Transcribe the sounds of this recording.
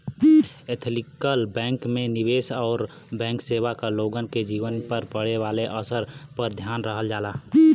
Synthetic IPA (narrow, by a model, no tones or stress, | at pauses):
et̪ʰlikəlbɛ̃ːŋkmẽniʋeːsɔːɾ | bɛ̃ːŋkseːʋakaloːɡənked͡ʒiːʋənpəɾpəɽeʋaːleʔəsəɾpəɾd̪ʱjaːnɾəɦəld͡ʒaːla